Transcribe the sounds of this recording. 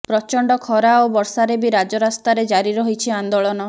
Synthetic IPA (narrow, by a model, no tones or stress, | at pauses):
pɾɔt͡ʃɔɳɖɔkʰɔɾaobɔɾsaɾebiɾad͡ʒɔɾast̪aɾed͡ʒaɾiɾɔɦit͡ʃʰiand̪oɭɔnɔ